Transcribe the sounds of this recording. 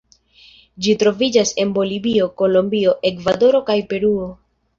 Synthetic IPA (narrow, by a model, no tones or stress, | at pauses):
d͡ʒitɾo̞vid͡ʒase̞nbo̞libio̞ko̞lombio̞ʔe̞kvado̞ɾo̞kajpe̞ɾuo̞